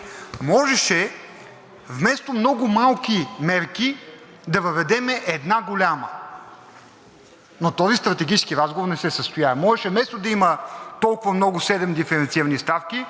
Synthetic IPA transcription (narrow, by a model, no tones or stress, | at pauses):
mɔʒɛʃɛ | vmɛst̪omnɔɡʊmalˠkimɛɾki | d̪ɐvɐvɛd̪ɛmɛʔɛd̪naɡolʲamə | not̪ɔzist̪ɾɐt̪ɛɡʲit͡ʃɛ̥skiɾazɡovoɾnɛsɛsəst̪ʊjavɐmɔʒɛʃɛvmɛst̪od̪ɐimət̪ɔlˠkʊvɐmnɔɡʊsɛd̪ɛmd̪ifɛɾɛnt̪siɾənist̪afki